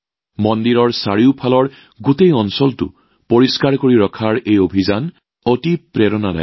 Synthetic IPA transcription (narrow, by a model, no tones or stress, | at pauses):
mɔndiɹɔɹsaɹiʊpʰalɔɹ | ɡutejɔnsɔltʊ̰ | poɹiskaɹkoɹiɹɔkʰaɹejobʱizan | otipɹɛɹɔnada̰